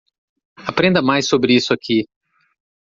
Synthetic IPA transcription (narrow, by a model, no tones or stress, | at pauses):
apɾẽnd̪ɐmajsobɾɪisʊakʰi